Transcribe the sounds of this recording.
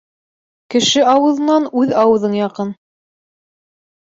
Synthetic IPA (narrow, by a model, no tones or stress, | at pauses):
kɘ̆ʃɘɑwɤ̆ðɤ̆nɑnʉðɑwɤ̆ðɤɴjɑqɤn